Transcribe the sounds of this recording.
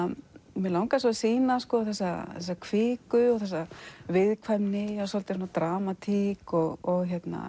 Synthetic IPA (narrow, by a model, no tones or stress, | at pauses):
mɛlawŋkasɔsiːnaskɔːθɛsːaθɛsːakʰvɪːkʏɔɣθɛs̬ːavɪðkʰvajmnɪasɔlt̪ɪsɔnat̪ɾaːmat̪ʰikɔɣɔɣçɛt̪na̰